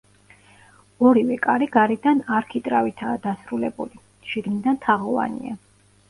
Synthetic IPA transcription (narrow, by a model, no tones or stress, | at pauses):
ɔɾivɛkʼaɾiɡaɾid̪anaɾkʰit̪ʼɾavit̪ʰaːd̪asɾulɛbṵli | ʃiɡnid̪ant̪ʰaʁɔva̰nḭa